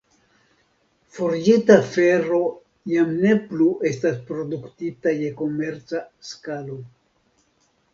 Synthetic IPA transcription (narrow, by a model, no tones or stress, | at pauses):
foɾd͡ʒitafe̞ɾo̞ | jamne̞pluʔe̞staspɾo̞duktitaje̞ko̞me̞ɾt͡saskalo̞